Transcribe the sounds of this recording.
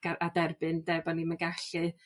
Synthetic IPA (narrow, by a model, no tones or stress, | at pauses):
ɡ̥aadɛrbɨndɛbɔnimənɡaɬɨ